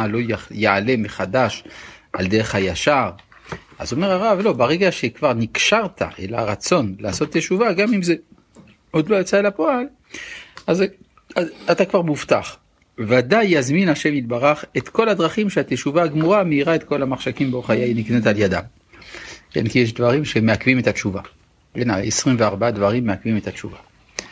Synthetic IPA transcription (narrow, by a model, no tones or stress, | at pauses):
alo̞jeʕale̞me̞χad̪aʃʔa̰ld̪eʁeχhajaʃaʁ | a̰zo̞meʁaʁavlo̞baʁeɡaʃekvaʁnikʃaʁt̪a̰ʔela̰ʁat͡so̞nlaːso̞t̪jeʃuvaɡamimze | od̪lojat͡seelapoal | az | aat̪akvaʁmuft̪aχ | vadajazminaʃemit̪̚baʁaχet̪ko̞lad̪ʁaχimʃeat̪eʃuvaːɡmuʁameiʁaet̪ko̞lamaχʃakimbeoχajainiknet̪aljada̰m | kḛnkijɛʃ̬d̪vaʁimʃemeakvimet̪att͡ʃuva | bena̰esʁimveaʁbaad̪vaʁimːeakvimet̪at͡ʃuva